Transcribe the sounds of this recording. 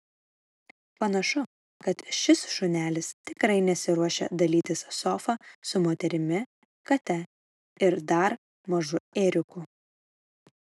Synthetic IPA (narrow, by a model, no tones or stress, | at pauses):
pɐnɐʃʊ | kɐt̪ʃʲɪsʃʊnʲæːlʲɪst̪ʲɪkɾɐɪnʲɛsʲɪɾuɔʃʲɛ̰d̪ɐlʲiːt̪ʲɪssɔfɐsʊmoːt̪ʲɛɾʲɪmʲɪ | kɐt̪ʲɛ | ɪɾd̪ɐɾ | mɐʒʊeːɾʲʊku